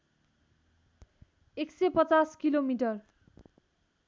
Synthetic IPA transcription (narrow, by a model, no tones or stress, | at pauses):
eksepʌt͡saskilomiʈʌr